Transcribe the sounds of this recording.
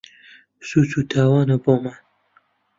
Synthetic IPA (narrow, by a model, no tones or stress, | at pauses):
sut͡sʰut̪ʰaːwɑːnɐboman